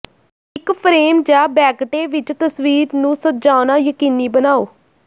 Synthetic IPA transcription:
ɪkpʰɾeːmd͡ʒaːbɛːkʈeːʋɪt͡ʃt̪əsʋiːɾnũːsəd͡ʒaːʊnaːjəkiːniːbənaːoː

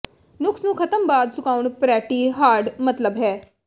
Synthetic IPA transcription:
nʊksnũːkʰət̪əmbaːd̪sʊkaːuɳpɾɛːʈiːɦaːɾɖmət̪ləbɦɛː

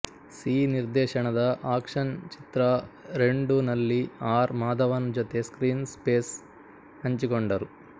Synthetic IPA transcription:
siːniɾd̪ɛːʃɐɳɐd̪ɐʔaːkʂɐnt͡ʃit̪ɾɐɾeɳɖunɐlːiaːɾmaːd̪ɐʋɐnd͡ʒot̪eskɾiːnspeːs | ɐɲt͡ʃikoɳɖɐɾu

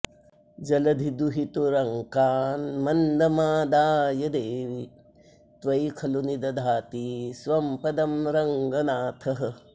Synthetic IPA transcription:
d͡ʒɐlɐd̪ʱid̪uɦit̪uɾɐŋkaːnmɐnd̪ɐmaːd̪aːjɐd̪eːʋi | t̪ʋɐjkʰɐlunid̪ɐd̪ʱaːt̪isʋɐmpɐd̪ɐmɾɐŋɡɐnaːt̪ʰɐɦɐ̆

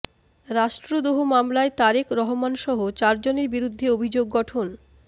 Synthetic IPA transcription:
ɾaʃʈɾod̪oɦomamlaet̪aɾekɾɔɦomanʃɔɦot͡ɕaɾd͡ʑoneɾbiɾud̪ʱːeobʱid͡ʑoɡːɔʈʰon

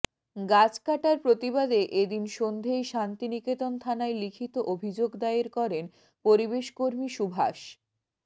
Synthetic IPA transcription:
ɡad͡ʑkaʈaɾpɾot̪iβad̪eʔed̪inʃond̪ʱejʃant̪iniket̪ont̪ʰanaelikʰit̪oʔobʱid͡ʑoɡd̪aeɾkɔɾen | poɾibeʃkoɾmiʃubʱa̰ʃ

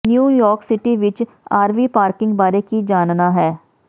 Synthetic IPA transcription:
njuːjɔːɾksɪʈiːʋɪt͡ʃ | aːɾʋiːpaːɾkɪ̃ŋɡbaːɾeːkiːd͡ʒaːnnaːɦɛː

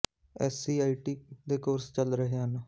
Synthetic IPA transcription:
ɛːsiːaːiːʈiːd̪eːkoːɾst͡ʃəlɾəɦeːɦana

